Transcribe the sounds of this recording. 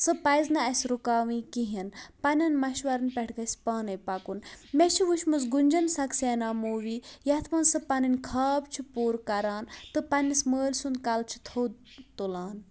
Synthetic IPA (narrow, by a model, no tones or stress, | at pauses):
sɨpɐjznɐɐsʲɾukaːʋĩːkiɦinpɐnʲɐnmɐʃʋɐɾɨnpʲɛʈʰkɐsʲpaːnɐpɐkunmet͡ʃʰiʋuʃmɨsɡunʲd͡ʒɐnsɐkseːnaːmoːʋijɐt̪ʰmɐnsɨpɐnɐnʲkʰaːbt͡ʃʰipuːɾkɐɾaːnt̪ɨpɐnisməːlʲsunkɐlt͡ʃʰi̥t̪ʰoː | t̪olaːn